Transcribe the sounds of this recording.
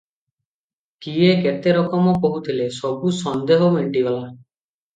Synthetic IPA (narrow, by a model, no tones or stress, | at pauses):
kieket̪eɾɔkɔmɔkoɦut̪ʰilesɔbusɔnd̪eɦɔmeɳʈibala